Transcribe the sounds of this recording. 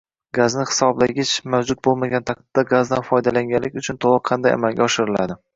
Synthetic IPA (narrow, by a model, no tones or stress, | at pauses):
ɡaznɪhɪ̥sɒblaɡʲɪt͡ʃmawd͡ʒʊt̪̚bolˠmaɡʲant̪ʰɑk̚t̪ɪd̪ːaɡazd̪anfɒjd̪alaŋɡʲanlɪkʲʊt͡ʃʰʊnt̪ʰolˠɨqqʰːɑnd̪aja̰malˠɡʲaɒʃɪɾɪla̰d̪ɪ